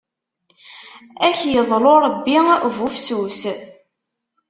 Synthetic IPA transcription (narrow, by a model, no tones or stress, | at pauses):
æçjəðˤloɾˤəbːivufsus